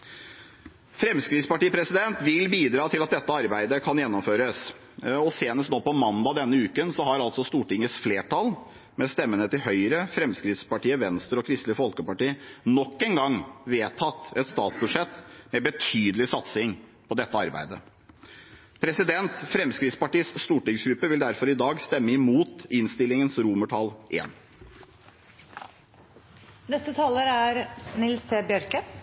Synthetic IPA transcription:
fɾɛmskɾɪt̪spɑʈiːpʰɾɛsɪd̪ɛnt̪ʋɪlbiːd̪ɾɑːt̪ʰɪlɑt̪̚d̪ɛt̪ːəɑɾbæɪd̪əkʰɑnjɛnːɔmføːɾəs | ɔseːnəst̪noːpɔmɑnd̪ɑd̪ɛnːəʉːkənsɔɦɑɾɑlt̪sɔst̪uːʈɪŋːəsfleːʈʰɑl | mɛst̪ɛmːənət̪ɪɦœʏɾəfɾɛmskɾɪt̪spɑʈiːəʋɛnst̪əɾɔkʰɾɪst̪lɪfɔlkəpɑʈiːənɔkːɛnɡɑŋʋeːt̪ʰɑt̪ːɛt̪st̪ɑːt̪sbʉʂɛt̪ːmɛbət̪ʰyːd̪əlɪsɑt̪sɪŋpʰɔd̪ɛt̪ːəɑɾbæ̰ɪd̪ə | pʰɾɛsɪd̪ɛnt̪fɾɛmskɾɪt̪spɑʈiːəsst̪uːʈɪŋsɡɾʉpːəʋɪld̪æɾfɔɾɪd̪ɑːɡst̪ɛmːəɪmuːt̪ɪnst̪ɪlːɪŋənsɾuːməʈʰɑːlʔḛːn | nɛst̪ət̪ʰɑːləɾæɾnɪlst̪ʰɛbjœɾkə

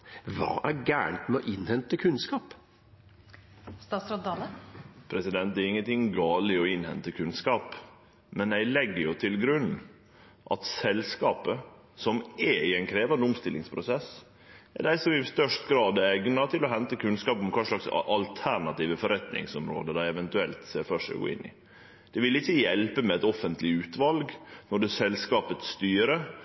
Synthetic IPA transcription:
ʋɑ̰ːʔæɾɡæ̰ːɳt̪mɛɔʔɪnhɛnt̪əkʰʉnskɑːp | t̪ɑsɑɑlpʰɾɛsɪd̪ɛnt̪̚d̪æɾɪŋːənt̪ʰɪŋːɡɑːlɪɔɪnhɛ̰nt̪əkʰʉnskɑːp | mɛnæɪlɛɡːəɾjʊt̪ʰɪlɡɾʉn | ʔɑ̰t̪sɛlskɑːpə | sɔmɛɪɛɪnkʰɾeːʋɑnd̪əʊmst̪ɪlːɪŋspʰɾʊsɛs | ɛ̰ɖæɪsɔmɪst̪œʂt̪ɡɾɑːd̪ɛɛɡnɑt̪ʰɪlɔɦɛnt̪əkʰʉnskɑːpɔmkʰɑːʂɭɑksʔɑlt̪ʰæɳɑt̪iːʋəfɔɾɛt̪nɪ̰ŋsɔmɾo̰ːd̪əd̪æɪɛʋɛnt̪ʉɛlt̪seːɾfœʂɛ̰ɡo̰ːɪ̰nːɪ̰ | d̪̥ɛʋɪlɪçːəjɛlpəmɛɛt̪ɔfənt̪lɪʉːt̪ʋɑlɡnɔɖɛsɛlskɑːpət̪st̪yːɾə

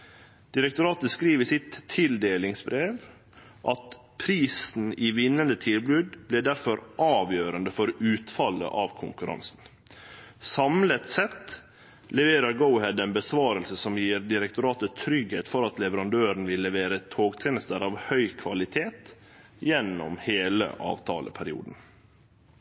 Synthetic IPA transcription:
d̪̥ɪɾɛkt̪ʊɾɑːt̪əskɾiːʋəsɪt̪ʰːɪld̪eːlɪŋsbɾeːʋ | ʔɑt̪ | pʰɾiːsn̩iʋɪnːənd̪ət̪ʰɪlblʉːd̪blɛd̪æɾfɔɾʔɑːʋjøːɾənd̪əfɔɾʉːt̪fɑlə̰ʔɑʋkʰʊ̰ŋkʉɾɑ̰nsn̩ | sɑmlət̪sɛt̪ | lɛʋeːɾəɾɡəʊhɛd̪ɛnbəsʋɑːɾəlsəsɔmjiːɾd̪ɪɾɛk̚t̪ʊɾɑːt̪ət̪ʰɾʏɡhḛːt̪fɔɾɑt̪lɛʋəɾɑnd̪øːɾɳ̩ʋɪlːɛʋeːɾət̪ʰoːɡt̪ʰeːnəst̪əɾɑʋhœʏkʰʋɑlɪt̪ʰeːt̪ | jɛnːɔ̰mheːlə̰ʔɑ̰ːʋt̪ʰɑ̰ːlə̰pʰæɾɪṵːd̪n̩

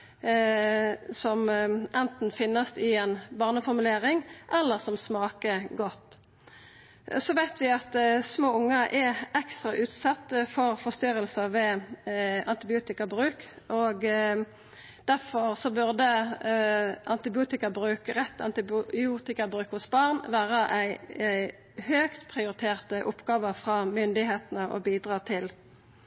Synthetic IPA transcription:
sɔmʔɛnt̪n̩fɪnːəsɪɛnbɑːʁnəfɔɾmʉleːʁɪŋʔɛlːəʁsɔmsmɑːkəɡɔt̪ː | sɔʋæɪt̪ʰʋɪɑt̪smoːʊŋːəʔɛɛkst̪ɾɑʔʉːt̪sɑt̪ːəfɔɾfɔst̪ʏɾəlsəʋɛ | ʔɑnt̪ɪbɪuːt̪ɪkəbɾʉːk | ʔɔɡ | d̪̥æʁfɔʁsɔbʉʁd̪ə | ʔɑnt̪ɪbɪuːt̪ɪkəbʁʉːkəʁɛt̪ːɑ̰nt̪ɪbɪuːt̪ɪkəʁbʁʉːkhʊsbɑːʁnʋæːʁəʔæɪ | høːkt̪pʰʁɪʊɾɪt̪ʰeːʁt̪əʔʊpɡɑːʋəfʁɑmʏnd̪ɪheːt̪ənəʔɔ̰biːd̪ʁɑːt̪ʰɪl

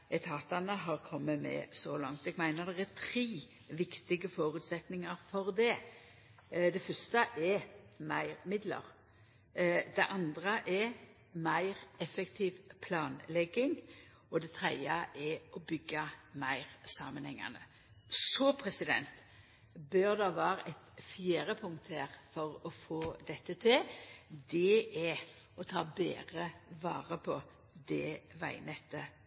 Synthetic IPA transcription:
ɛt̪ʰɑːt̪ɑnəɦɑːʁkʰɔmːəmɛ̰sɔlɑŋt̪ɛɡmæɪnəʁd̪ɛʁæt̪ʰɾiː | ʋɪkt̪ɪɡəfoːɾʉːt̪sɛt̪nɪŋəɾfɔʁd̪ɛ | d̪ɛfœst̪əʔɛmæɪɾmɪd̪lə̰ɾ | d̪ɛʔɑnd̪ʁəʔɛ | mæɪʁɛfɛkt̪ʰiːʋpʰlɑːnlɛɡːɪŋ | ɔd̪ɛt̪ʰʁɾɛd̪əʔɛɔbʏɡːɑmæɪɾsɑːmənhɛŋːɑ̰nə | sɔpʰɾɛsɪd̪ɛ̰nt̪ | bøːɾd̪ɑʋɑːɾɛt̪fjeːɾəpʰʊŋt̪ʰəeːʁfɔɾɔfoːd̪ɛt̪ːət̪ʰɪld̪ɛʔɛ | ɔt̪ʰɑːbḛːʁəʋɑːʁəpʰɔ | d̪ɛʋæ̰ɪnɛt̪ːə

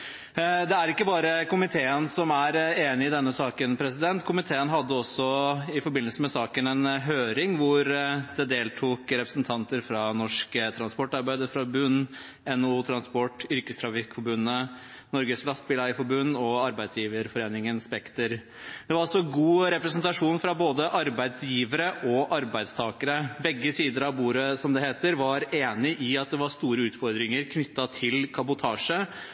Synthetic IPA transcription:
d̪ɛæɾɪkːəbɑːɾəkʊmɪt̪ʰeːənsɔmæɾeːnɪɪd̪ɛnːəsɑːkənpʰɾɛsɪd̪ɛnt̪kʰʊmɪt̪ʰeːənɦɑd̪ːəɔsːɔɪfɔɾbɪnːəlsəmɛsɑːkənɛnɦøːɾɪŋʋʊɾd̪̥ɛd̪eːlt̪ʰuːkɾɛpɾəsn̩t̪ʰɑnt̪əɾfɾɑnɔʂkət̪ʰɾɑnspɔʈːɑɾbæɪd̪əfɾɑbʉnː | ɛnuːt̪ʰɾɑnspɔʈːʏɾkəst̪ʰɾɑfɪkfɔbʉnːə | nɔɾɡəslɑst̪̚bɪlæɪfɔɾbʉnːɔɑɾbæɪd̪sjiːʋəɾfɔɾeːnɪŋənspɛkt̪əɾ | d̪̥ɛʋɑɾɑsɔɡuːɾɛpɾɛsnt̪ɑʂuːnfɾɑboːd̪əʔɑɾbæɪd̪sjiːʋəɾəʔɔʔɑɾbæɪd̪st̪ʰɑːkəɾəbɛɡːəsiːd̪əɾɑʋbuːɾəsɔmd̪ɛheːt̪əɾʋɑɾeːnɪʔɪɑt̪̚d̪ɛʋɑɾʂt̪uːɾəʉːt̪fɔɾd̪ɾɪŋəɾkʰnʏt̪ːɑt̪ʰɪlkʰɑbʊt̪ʰɑːʂə

